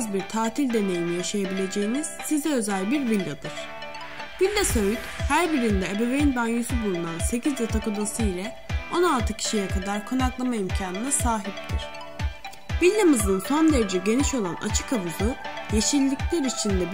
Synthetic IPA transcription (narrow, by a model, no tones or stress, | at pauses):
zbiɾt̪ʰaːt̪ʰilʲd̪e̞ne̞jinijaʃajabilʲe̞d͡ʒe̞jiniz̥sizɛø̞zælʲbiɾvilʲːad̪ɯɾ̥ | vilʲːasøjyt̪hæɾbiɾind̪ɛebe̞vejinbanjysybulˠmanse̞cʰizd̪at̪ʰakod̪asɯilʲɛ | o̞nalˠt̪ʰɯcʰi̥ʃijɛkʰad̪aɾkʰonaklˠamaimcʰaːnɯnɛsaːɦip̚t̪ʰiɾ̥ | vilʲːamɯznɯnso̞nd̪e̞ɾe̞d͡ʒɛɟe̞niʃo̞lˠana̰t͡ʃʰɯ̥kavuzuje̞ʃilʲːiclʲeɾit͡ʃʰind̪ɛb